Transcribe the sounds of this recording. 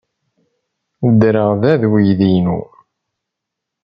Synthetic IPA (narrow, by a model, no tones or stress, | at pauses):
əd̪ɾəʁðæðwijðinṵ